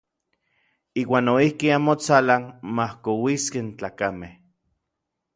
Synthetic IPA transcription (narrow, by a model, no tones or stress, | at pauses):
iːwaːnoihkiamot͡salanmahkowiskent͡ɬaːkameh